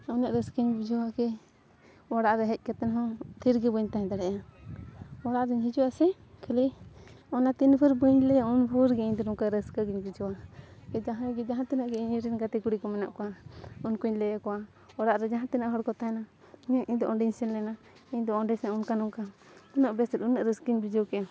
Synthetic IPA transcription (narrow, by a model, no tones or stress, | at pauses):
awnaʔɾəskəɲbud͡ʒɔwakɛ | waɽaʔɾɛɦɛc̚ˀkat̪ɛnɦɔ̃t̪ʰiɾɡəbəɲt̪aɦɛ̃d̪aɽɛja | waɽaʔɾiɲɦid͡ʒɔwasɛ | kʰəliɔnat̪inbʰəɾbəɲlɛunbʱɔɾɡɛiɲd̪ɔɾɔŋkaɾəskəɡiɲbud͡ʒɔwaɡɛd͡ʒãɦãɡɛd͡ʒãɦãt̪inaʔɡɛiɲiɾɛnɡat̪ɛkuɽikɔmɛna̰ʔkɔwaunkuɲlɛjakɔa | waɽaʔɾɛd͡ʒaɦãt̪inaʔɦɔɾkɔt̪ana | ɲaʔiɲd̪ɔʔɔɳɖiɲsɛnlɛna | iɲd̪ɔɔɖɛsaʔunkanuŋka | t̪ɔnaʔbɛsɛt̪unːaʔɾəskiɲbid͡ʒɔkɛa